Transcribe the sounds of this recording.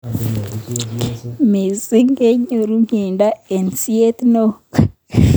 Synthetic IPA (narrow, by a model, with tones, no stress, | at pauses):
me˨zi˦ŋɡe˦ɲo˨ɾu˦ɲeːnda˦e˨nsi˦e˦t̪ino˦k